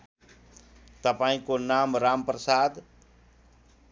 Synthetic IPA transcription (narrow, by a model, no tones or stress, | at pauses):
t̪ɐpaːĩkonaːmɾaːmpɾəsaːd̪